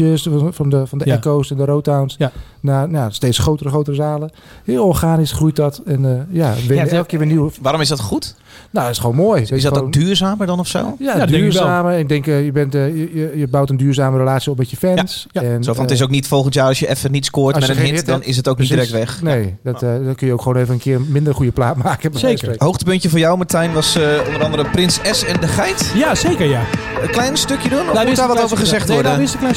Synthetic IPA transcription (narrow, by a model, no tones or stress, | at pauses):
əsfɔnəfɔndəɛkowsɛndərowtawns | nanjasteːt͡ssχxowtərəxowtərəzaːlə | hɪːlˠɔːɹxaːnisxrujtdɔtɛnəjaʋɪnɛlˠkəkɪːɹʋɪːniwəʋaːɾɔmɪsdɔtxut | naɔtɪsxəʋoːnmoːjɪsɔtokndyːrzaːməɹdɔnɔfso̰ːjadyːɹaːməɪk̚dɛŋkjəbɛntjəjəjəbawtəndyːɹzaːməɾəlaːt͡sjiɔp̚mɛtjəfɛnsɛnsofɔntɪs̬owknitfɔlˠxəntjaːrɔsjəʔɛfənitskoːtsmɛtəehɪdɔnɪsətoknidirɛk̚tʋɛxnejdɔtdkønjəowkχʋoːneːvənənkʰɪərmɪndərχujəplaːtmaːkəbesəehowxtəpøntjəfʊːjawmətɛjnʋɑsondəɾɑndəɾəprɪnsɛsɛndəxɛjtjasejkəjaəklɛjnstøkjədunɔmudaʋɔtoːvəɹxəzɛxtɔɹdəɪsəklɛjn